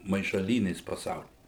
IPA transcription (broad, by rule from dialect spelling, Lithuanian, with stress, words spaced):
mɐɪʃɐˈlʲiːnʲeːs pɐˈsɐʊlʲiː